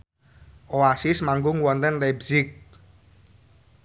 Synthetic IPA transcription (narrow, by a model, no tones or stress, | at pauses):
ʔoasismaŋɡʊŋwɔnt̪ɛnlɛbsɪk̚